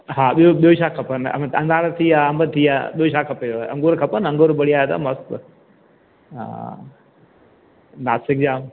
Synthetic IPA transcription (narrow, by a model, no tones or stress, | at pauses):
ɦaːɓioɓijoʃaːkʰɐpənɐ̰mɐ̃nd̪aːɾt̪ʰiːaːɐmət̪ʰiːa̰ːɓijoʃaːkʰɐpeoɐ̰̃ŋɡoːɾkʰɐpənɐ̃ŋɡoːɾbɐɽiaːjt̪a̰mɐst̪ | ã̰ | naːsɪk̚d͡ʑaːm